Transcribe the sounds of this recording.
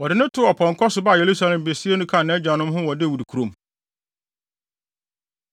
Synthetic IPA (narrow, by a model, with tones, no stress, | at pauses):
wɔ˨dɪ˨nʊ̃˦tʰʊ˦ɔ˨pʰɔ̃˨ŋ˨kʰɔ˦sʊ˨ba˦˨je˨ɾu˦sa˦lɛ̃˨m˨be˨si˦e˦nʊ̃˦kʰã˦˨nːɛ̃˦d͡ʑᶣa˨nʊ̃˦m˦ɦʊ̃˦wɔ˨dɪ˦˨wu˨du˨kʰu˨ɾõ˨m